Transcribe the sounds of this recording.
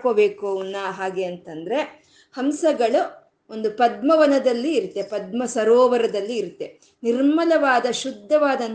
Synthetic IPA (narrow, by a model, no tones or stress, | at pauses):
koːbe̞ːkounːɐɦaːɡe̞ɐnt̪ɐnd̪ɐɾe̞ | hɐmsɐɡɐɭu | o̞nd̪upɐd̪mɐʋɐnɐd̪ɐlːiːɾut̪ːe̞pɐd̪mɐsɐɾoːʋɐɾɐd̪ɐlːiːɾut̪ːe̞ | niɾmɐlɐʋaːd̪ɐʃud̪ʱːɐʋaːd̪ɐn